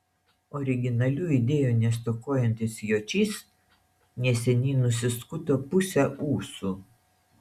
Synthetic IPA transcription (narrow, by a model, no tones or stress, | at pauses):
ɔɾʲɪɡʲɪnɐlʲuːid̪ʲeːjuːnʲɛst̪ɔkoːjɛnʲt̪ʲɪsjoːt͡ʃʲiːs | nʲɛsʲɛnʲiːnʊsʲɪskʊt̪oːpʊsʲɛʔuːsuː